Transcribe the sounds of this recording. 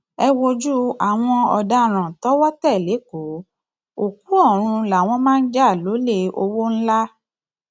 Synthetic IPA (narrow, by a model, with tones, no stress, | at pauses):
ɛ˧wo˧d͡ʒu˦a˨w̃ɔ̃˧ɔ̰˨da˧ɾ̃ã˨tɔ˦wɔ˦tɛ˦˨le˨˦ko˨˦ | o˨k̚u˨˦ɔ˦˨ɾ̃ũ˧la˨w̃ɔ̃˧mãː˦˧n̩˦d͡ʒa˦˨lo˨˦le˧o˧wo˦n̩˦la˦